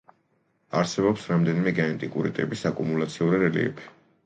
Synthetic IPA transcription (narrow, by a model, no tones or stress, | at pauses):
aɾsɛbɔpsɾamd̪ɛnimɛɡaɛnt̪ʼikʼṵɾḭt̪ʼɛbisakʼumulat̪sʰiuɾiɾɛlḭɛ̰pʰi̥